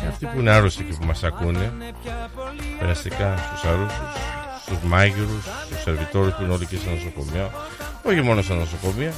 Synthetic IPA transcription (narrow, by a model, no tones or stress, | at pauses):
ɐ̰ft̪ipuineɐɾosicipumɐsɐkune | peɾɐst̪ikɐst̪usɐɾusus | st̪uzmɐʝiɾust̪use̞ɾvit̪o̞ɾjuspuineolicesɐnoso̞ko̞miɐ | oçimo̞nosɐnoso̞ko̞miɐ